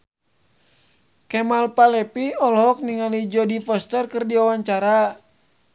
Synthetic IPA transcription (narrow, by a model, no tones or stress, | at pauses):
kɛmalpalɛpiɔlɦɔk̚niŋalid͡ʒɔdifɔst̪ərkɨrdiawaɲt͡ʃaɾa